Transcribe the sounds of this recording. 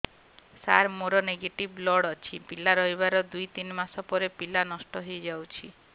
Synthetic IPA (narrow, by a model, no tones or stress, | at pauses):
sa̰ɾmoɾɔneɡeʈiblɔɽɔt͡ʃʰipilaɾɔjbaɾɔd̪ujt̪inmasɔpɔɾepilanɔsʈɔɦojd͡ʒawt͡ʃʰi